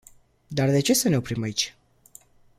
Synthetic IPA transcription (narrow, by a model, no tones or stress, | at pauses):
d̪ard̪e̞t͡ʃe̞səne̞o̞pɾimait͡ʃʲ